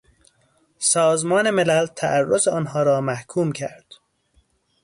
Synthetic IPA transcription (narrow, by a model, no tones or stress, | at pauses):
sɒːzmɒːne̞melælt̪ʰæʔærːozeɒːnɦɒːɾɒːmæhkʰuːmcʰæɾd̪̥